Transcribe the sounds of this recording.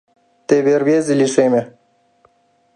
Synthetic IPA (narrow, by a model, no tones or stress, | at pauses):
t̪ebeɾbjeːziliseːme